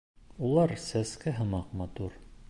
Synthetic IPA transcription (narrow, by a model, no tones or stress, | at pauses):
ulˠɑɾsæskæɦɤ̆mɑqmɑt̪uɾ